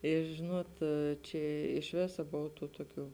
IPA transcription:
ɪ ˈʒʲɪnuɔt ˈt͡ʃʲɛ ɪʃ ˈʋʲeːsɐ ˈboːw ˈtuː ˈtuɔˌkʲuː

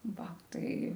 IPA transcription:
ˈʋɐ ˈtɐɪ

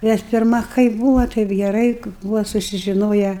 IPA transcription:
nʲɛs pʲɪrˈmɐ kɐɪp ˈbuːʋɐ tɐɪp ɡʲɛˈrɐɪ ˈbuːʋɐ sʊsʲɪʒʲɪˈnoːjɛ

